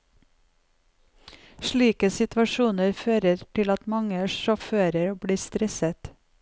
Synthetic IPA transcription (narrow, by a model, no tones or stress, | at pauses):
ʃɭiːkəsɪt̪ʋɑʃuːnəɾføːɾəɾʈ̪ʰɪlɑt̪mɑŋəʃɔføːɾəɾbɽiːst̪ɾɛsət̪